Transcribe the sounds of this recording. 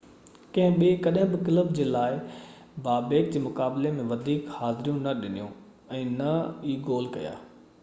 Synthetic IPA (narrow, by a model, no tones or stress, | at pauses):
kɐ̃ɦɪ̃ɓiekɐɗɦɪ̃bɪkɪləbd͡ʑeːlaːɪ | baːbeːk̚d͡ʑeːmʊkaːblemẽʋɐd̪ʱiːkhaːzɪɾijũnɐɗɪnijṵ̃ | ɛ̃ːnɐiːɡoːl̤kɐ̰ja̰ː